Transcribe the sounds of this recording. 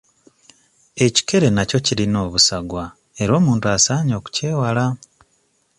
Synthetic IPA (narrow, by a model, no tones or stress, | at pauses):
e̞ci̥ke̞ɾe̞naco̞ciɾino̞ːβusaɡwa | e̞ɾo̞ːmuːntuasaːɲo̞ːku̥ce̞ːwala